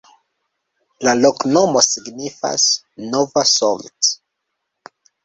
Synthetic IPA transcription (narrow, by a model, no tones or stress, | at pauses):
laloknomosiɡnifa̰s | novasolt